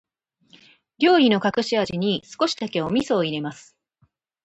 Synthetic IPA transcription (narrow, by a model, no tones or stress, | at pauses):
ɾʲo̞ːino̞kakɯ̟ɕiaʑiɲ̟isɨ̥ko̞ɕi̥d̪ake̞omʲiso̞ːiɾe̞masɨ̥